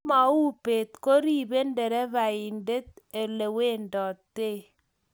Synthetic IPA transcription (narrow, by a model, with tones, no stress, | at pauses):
ma˨u˦pe˨t̚ko˦ɾi˦˨be˦nde˨ɾɛ˦βa˨i˨nde˦t̚e˨le˨we˦ndɔ˨tːe˦˨